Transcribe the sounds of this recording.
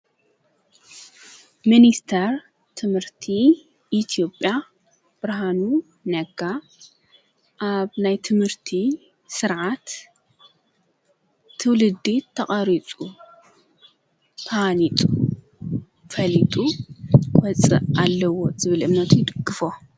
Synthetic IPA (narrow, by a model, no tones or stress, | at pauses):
minist̪ʰɐɾ | t̪ʰɨmhɨɾt̪ʰi | ʔːt̪ʰijo̞pʼja | b̥ɨɾɦanu | nɐɡa | ʔaβnajt̪ʰɨmhɨɾt̪ʰi | sɨɾʕat̪ | ɨwlɨd̪ːit̪ʰɐχʼɐɾit͡sʼu | t̪ʰalit̪ʼu | fɐlit̪ʼu | wɐt͡sʼɨʔalːɐwo̞zɨβɨlɨmnɐt̪ʰujɪd̪ɨɡːɨfo